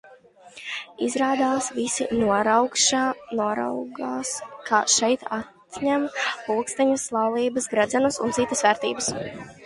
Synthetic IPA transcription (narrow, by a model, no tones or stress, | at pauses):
izɾaːd̪aːsvisinuɔɾawkʃaːnuɔɾa̰wɡaːskʰaːʃɛjt̪at̪ɲæmpulˠkst̪ɛɲuslˠɑwlˠiːbɐsɡɾɛd̪zɛnusṵnt̪sit̪ːəsvɛɾt̪ḭːbəs